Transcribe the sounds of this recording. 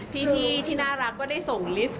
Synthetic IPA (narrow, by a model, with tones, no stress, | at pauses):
t̪ʰiː˥˩pʰiː˥t̪ʰiː˥˩naː˥˩ɾa˦˥k̚kɔː˥˩da˥˩jso˨˩ŋli˦˥s